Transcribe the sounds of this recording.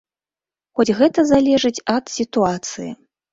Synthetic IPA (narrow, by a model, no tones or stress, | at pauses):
xɔd͡zʲɣɛt̪ɐzalʲɛʐɨt͡sʲɐt̪sʲit̪uat̪sɨjḭ